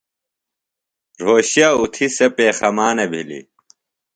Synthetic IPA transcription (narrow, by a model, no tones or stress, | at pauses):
ɾ̤oːɕjaːut̪ʰisepeːxɐmaːnebʱilḭ